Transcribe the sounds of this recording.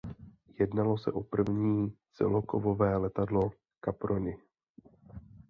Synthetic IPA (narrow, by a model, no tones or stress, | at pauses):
jɛdnalo̞sɛ̰ʔopr̩vɲiːt͡sɛ̰lokovovɛːlɛt̪adlo̞ | kapɾonɪ